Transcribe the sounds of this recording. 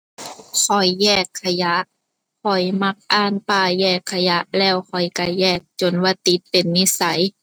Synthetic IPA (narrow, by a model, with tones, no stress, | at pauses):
kʰɔ˨˩jːɛː˧˩kʰːa˧ja˧˦ʔ | kʰɔ˨˩jma˧˩k̚ʔaː˧˩˨npaː˧˩jɛː˧˩kʰːa˧ja˧˦˥ʔlɛː˧˩wkʰɔ˨˩jka˧˩jɛː˧˩k̚t͡ɕo˨˩nwaː˧˩t̪i˧˦t̪̚pe˨˩nːi˧˥sa˨˦j